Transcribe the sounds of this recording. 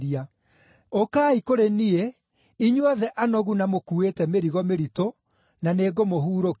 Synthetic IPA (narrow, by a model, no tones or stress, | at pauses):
ɾia | okaːikoɾenie | iɲwaðɛʔanɔɣunamokuetɛmeɾiɣɔmeɾito | naneːɡomoɦuːɾok